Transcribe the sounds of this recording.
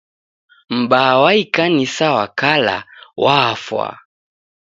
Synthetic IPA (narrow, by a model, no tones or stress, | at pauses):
m̩bawaikanisawakala̰waːfwa̰